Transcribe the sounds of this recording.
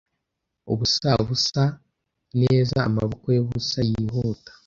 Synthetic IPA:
o̰βusaβusa | neːza̰ːmaβukojeβusajiɦoːtḁ

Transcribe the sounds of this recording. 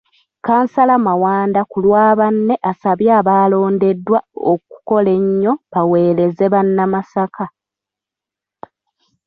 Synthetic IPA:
kaːnsalamawaːndakulwaːβanːe̞ʔasaβjaːβaːlo̞ːnde̞dːwao̰ku̥ko̞le̞ɲːo̞βawe̞ːɾe̞ze̞βanːamasakʰa

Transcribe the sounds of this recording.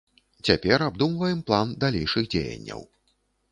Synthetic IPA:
t͡sʲapʲɛɾab̚d̪umvɐjɛmplˠand̪alʲejʂɨɣd͡zʲḛjɐ̰nʲːɐ̰w

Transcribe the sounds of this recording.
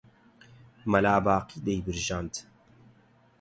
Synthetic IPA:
mɐlaːbaːqid̪ejbɨɾʒaːnt̪

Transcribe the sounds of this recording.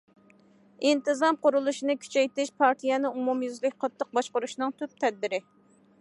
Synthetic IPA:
int̪ɨzɑmqʊɾulˠuʃinɨkʲʰy̥t͡ʃʰɛjt̪ɪʃpʰɑɾt̪ʰijɛnɨumumjyzlɪk̚ʲqʰɑt̪ʰːəq̚bɑʃqʊɾuʃnɨŋt̪ʰyp̚t̪ʰɛd̪̚bɪɾɪ

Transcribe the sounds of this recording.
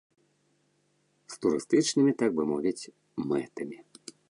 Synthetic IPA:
st̪uɾɨst̪ɨt͡ʃnɨmʲit̪aɡ̚bɨmɔvʲit͡sʲ | mɛt̪ɐmʲi

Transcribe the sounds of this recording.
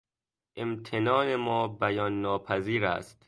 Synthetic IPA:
ʔemt̪ʰenɒːnemɒːbæjɒːnːɒːpʰæziːɾæ̰st̪

